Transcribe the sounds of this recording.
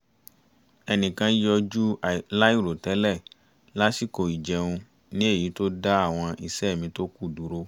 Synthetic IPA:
ɛ˧nĩ˨kã˧˦jɔ˧d͡ʒu˦˨la˦i˦˨ɾo˨tɛ˨˦lɛ˦˨ | la˦si˦˨ko˨i˨d͡ʒɛ˨˧ũ˧ | nĩ˦e˦˨ji˨˦to˦da˦a˦˨w̃ɔ̃˧i˨sɛ˦˨mĩ˧to˦ku˦˨du˨˦ɾo˦

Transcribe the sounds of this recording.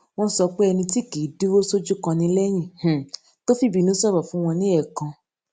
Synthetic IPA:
w̃ɔ̃˧n˦sɔ˧k͡pe˦ɛ˧nĩ˧ti˦˨ke˨˦di˦wo˦so˦d͡ʒu˦kã˧nĩ˧˦lɛ˦j̃ĩ˦˨h | to˦fi˦˨bi˨nũ˨˦sɔ˦bɔ˨fũ˦w̃ɔ̃˧nĩ˦ɛ˦˨kã˧

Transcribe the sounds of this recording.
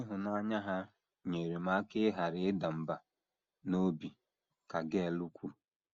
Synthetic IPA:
ɪ˦ɦʊ˨na˦ɲa˦ɦa˦ | ɲe˨ɾe˨ma˦kɪ˦ɦa˨ɾɪ˦ɪ˦da˨m̩˨ba˨ | no˦bi˨ | ka˨ɡe˦˨lu˦kʷu˦˨

